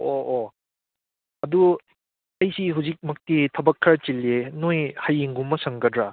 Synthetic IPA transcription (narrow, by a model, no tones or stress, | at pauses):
ʔoʔo | ɐdu | ɐjsiɦuzik̚mɐk̚titʰɐbɐkʰːaɾt͡ʃilenojhajiŋɡumːɐsɐŋɡɐdɾa